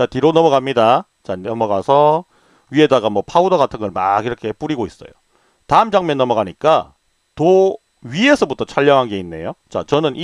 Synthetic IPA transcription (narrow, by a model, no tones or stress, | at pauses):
t͡ɕatiɾonʌmʌɡamɲida | t͡ɕanʌmʌɡasʰʌ | ɥie̞daɡamʌpʰaudoɡatʰɯnɡʌɭma̰ɡiɾʌkʰe̞p͈uɾiɡois͈ʌ̰jo | taɯmd͡ʑaŋmjʌnːʌmʌɡaɲik͈a | to | ɥie̞sʰʌbutʰʌt͡ɕʰaʎːʌŋɦanɡe̞inːe̞̰jot͡ɕa̰t͡ɕʌnɯnʔi